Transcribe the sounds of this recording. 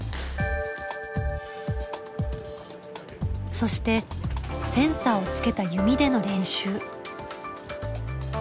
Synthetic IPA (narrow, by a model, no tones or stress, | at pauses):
so̞ɕi̥t̪e̞sẽ̞ɰ̃saːo̞t͡sɨ̥ke̞t̪ajɯ̟mʲid̪e̞no̞ɾẽ̞ɰ̃ɕɨː